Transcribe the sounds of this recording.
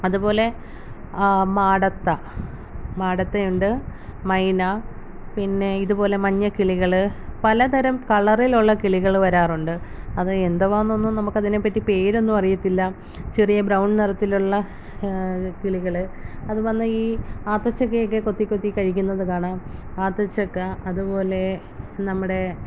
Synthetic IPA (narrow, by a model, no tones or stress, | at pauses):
ɐðupo̞ːle̞ | maːɽɐt̪ːɐ | maːɽɐt̪ːɐjuɳɖɨmɐjna | pinːe̞iðupo̞ːle̞mɐɲːɐkiɭiɣɐɭɨpɐlɐt̪ɐɾɐmkɐɭɐriluɭːɐkiɭiɣɐɭʋɐɾaːruɳɖɨ | ɐðɨend̪ɐʋanːonːunɐmukːɐðine̞pːɐtːipe̞ːɾo̞nːupɐrijɐt̪ːilːɐ | t͡ɕirijɐbɾɐwɳɖnirɐt̪ːiluɭːɐ | kiɭiɣɐɭɨɐðuʋɐnːɐiːaːt̪ːɐt͡ɕːɐk̬ːɨjok̬ːe̞ko̞t̪ːikʲːo̞t̪ːikɐɻikʲːunːɐðɨkaːɳam | aːt̪ːɐt͡ɕːɐkːɨɐðupo̞ːle̞ | nɐmːuɽe̞